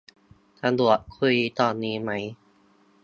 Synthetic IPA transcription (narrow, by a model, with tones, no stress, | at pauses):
t̪ʰa˧d̪u˨˩ə˩t̪̚kʰu˧jt̪ɔː˧nːiː˦˥ma˦˥j